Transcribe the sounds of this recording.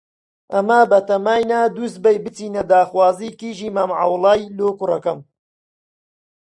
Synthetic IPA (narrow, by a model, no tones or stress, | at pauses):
ʔɐmɐbɐt̪ɐmaːjnaːd̪uːst̪̚bɐjbɨt͡siːnɐd̪aːxwaːziːkiːʒiːmaːmʕa̰wlɑːjloːkʊrɐkɐm